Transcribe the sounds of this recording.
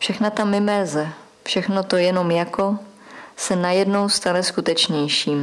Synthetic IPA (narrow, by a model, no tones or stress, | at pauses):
fʃɛxnat̪amɪmɛlzɛ | fʃɛxno̞t̪o̞jɛno̞mjako̞ | sɛnajɛdno̞wst̪anɛskut̪ɛt͡ʃɲɛjʃiːm